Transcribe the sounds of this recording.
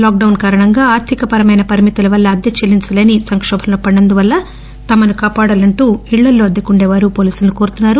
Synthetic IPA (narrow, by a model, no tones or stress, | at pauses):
laːk̚ɖɐwnkaːɾɐɳɐŋɡaːaːɾt̪ʰikɐpɐɾɐmɐjnɐpɐɾimit̪ulɐʋɐlːɐːd̪jɐt͡ʃɐlːint͡ʃɐle̞ːnisɐŋkʂɔːbʱɐlnopɐɳɐnd̪uʋɐlːɐ | t̪ɐmɐnukaːpaːɽɐlɐɳʈuːiɭːɐlːo̞ːɐd̪ːɐkuɳɖɛːʋaːɾupo̞ːliːsulnukoːɾut̪unːaːɾu